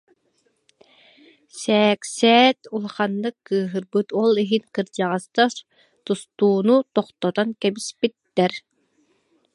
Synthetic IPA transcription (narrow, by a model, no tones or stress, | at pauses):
sɛːksɛːt̪ulˠχanːɯkːɯːɦɯɾbɯt̪ɔlˠiɦiŋkɯɾd͡ʒaʁɑst̪aɾ | t̪ust̪uːnut̪ɔqt̪ɔt̪ɔnkɛbispit̪ːɛɾ